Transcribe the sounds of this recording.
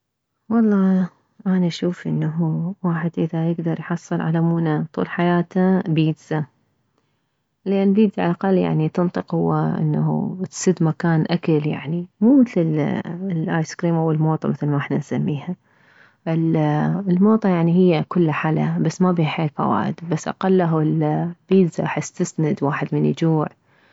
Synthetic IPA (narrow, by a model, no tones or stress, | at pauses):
wɑlˤːɑː | ʔanaʃuːfʔɪ̰nːaɦuwaːħɪd̪ʔɪðajɪɡd̪ɑɾˤjħɑsˤːɨlʕa̰lamuːnat̪ˤṵːlħajaːt̪abiːd̪z̥a | lʔanlbiːd̪zaʕalʔaqalːja̰ʕnit̪ɨnt̪ˤɨqhʊwːaʔɪ̰nːahṵt̪sɪd̪makaːnʔakalja̰ʕnimuːmɪθlɪllʔaːjskɾiːmʔawɪlmoːt̪ˤɑmɪθlmaʔɪħnansamːiːha | ʔɪllmoːt̪ˤɑjaʕniɦɪjːakʊlːaħalabasːmabiːhħeːlfa̰wa̰ːʔɪd̪basːʔa̰qalːaɦlb̥iːd̪za̰ħast̪ɪsnad̪waːħɪd̪mɪnʔɪd͡ʒuːʕ